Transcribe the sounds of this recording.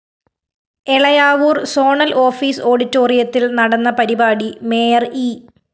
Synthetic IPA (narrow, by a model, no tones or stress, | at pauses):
eɭɐjaːʋuːrsoːɳɐlʔo̞ːfiːso̞ːɽitːo̞ːrijɐt̪ːilnɐɽɐnːɐpɐɾibaːɽime̞ːjɐri